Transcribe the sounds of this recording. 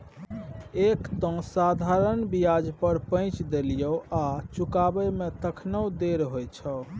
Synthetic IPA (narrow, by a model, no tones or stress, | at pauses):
ekt̪ɔ̃sad̪ʱaɾənbijad͡ʒpəɾpə̃j̃t͡ʃd̪eljəat͡ʃukabəmet̪əkʰnəwd̪eɾɦojt͡ʃʰə